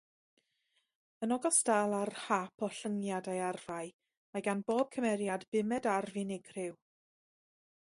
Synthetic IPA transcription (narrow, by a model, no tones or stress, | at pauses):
ənɔɡɔstalˠarhapʰɔɬəŋjadajarv̥aj | maɡanboːb̥̚kʰəmɛɾjadbɪmɛdarvɪnɪɡrɪw